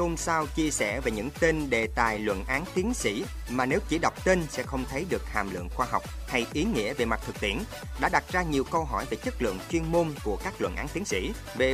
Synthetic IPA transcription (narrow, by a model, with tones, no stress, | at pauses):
o˧msaː˧wt͡ɕi˧əsɛ̰˧˩ve˨˩ɲɨ̰˧˥ŋt̪e˧nɗe˨˩t̪a̰ː˨˩jlwə̰˧˨nʔaː˨˦nt̪i˨˦ənsḭ˧˥ | maː˨˩ne˨˦wt͡ɕi˧˩ɗə˨˩wk͡p̚t̪e˧nsɛ̰˧˥xə˧wŋ͡mt̪ʰə˨˦jɗɨ˨˩ək̚ha̰ː˨˩mlɨ̰˧˨əŋxwaː˧ɦa˨˩wk͡p̚ha˧jʔi˨˦ŋḭ˧˥əve˨˩ma˨˩t̚t̪ʰɨ˨˩k̚t̪ḭ˧˩ən | ɗa̰ː˧˥ɗa˨˩t̚zaː˧ɲi˨˩əwkə˧wɦɔ˧˩jve˨˩t͡ɕə˦˥k̚lɨ̰˧˨əŋt͡ɕwi˧ənmo˧nku˧˩əkaː˦˥k̚lwə̰˧˨nʔaː˨˦nt̪i˨˦nsḭ˧˥ | ve˨˩